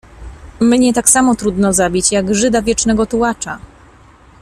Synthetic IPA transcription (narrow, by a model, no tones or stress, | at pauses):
mɲɛt̪aksamɔt̪ɾud̪nɔzabʲit͡ɕjaɡʐɘd̪avʲjɛt͡ʂnɛɡɔt̪uwat͡ʂa